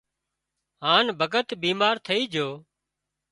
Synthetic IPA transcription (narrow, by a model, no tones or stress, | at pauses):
ɦaːnbʱəɡət̪biːmaːɾt̪ʰəiːd͡ʒʱoː